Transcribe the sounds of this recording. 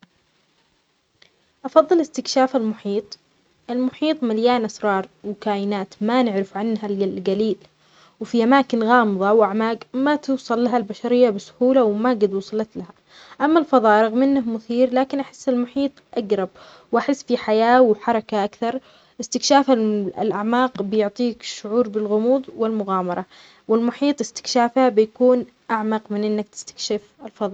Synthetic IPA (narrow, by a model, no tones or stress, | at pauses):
ʔɑfɑðˤːɨlɪst̪ɪkʃaːfalmʊħiːt̪ˤ | ʔɪlmʊħiːt̪ˤmaljaːnʔasɾˤɑːɾˤwkaːjɪnaːt̪manɪʕɾɪfʕanːɦallɡaliːl | wfiʔamaːkɪnɣɑːmɨðˤɑwʔaʕmaːɡmat̪ɪwsˤɑlːaɦalbaʃaɾɪjːabɪsʊ̥huːlawmaɡad̪wʊːsˤɑlɑt̪laha | ʔamːalfɑðˤɑːʔɾˤɑɣmɪnːahmʊθiːɾlaːkɪnʔaħɪ̥sːɪlmʊħiːt̪ˤʔaɡɾˤɑb̚ | wʔaħɪsːfiħajaːwħɑɾˤɑkaʔakθɑɾˤ | ʔɪst̪ɪkʃaːfaɪ̰lʔaʕmaːqbɪjʊʕt̪ˤiːkʃʊʕuːɾbɪlɣʊmuːðˤwɪlmʊɣaːmɑɾˤɑ | wɪlmʊħiːt̪ˤɪst̪ɪ̥kʃaːfhabɪjakuːn | ʔaʕmɑqmɪnʔɪnːakt̪ɪ̥st̪ḁkʃɪfɪlfɑðˤɑː